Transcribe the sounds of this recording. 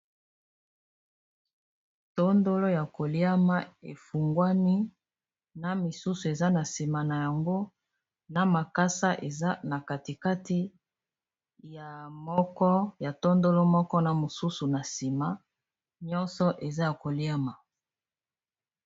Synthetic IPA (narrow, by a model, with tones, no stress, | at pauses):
to˦ndo˦lo˦ja˨ko˨li˦a˦ma˦e˨fu˨ŋɡwa˦ni˦ | na˦mi˨su˦su˨e˨za˦na˨si˨ma˨na˨ja˨ŋɡo˦ | na˨ma˨ka˦sa˦ʔe˨za˦na˨ka˨ti˨ka˦ti˦ | ja˨mɔ˦kɔ˦ja˨to˦ndo˦lo˦mɔ˦kɔ˦na˨mo˨su˦su˨na˨si˨ma˨ | ɲɔ˦nsɔ˨ʔe˨za˦ja˨ko˨li˦a˦ma˨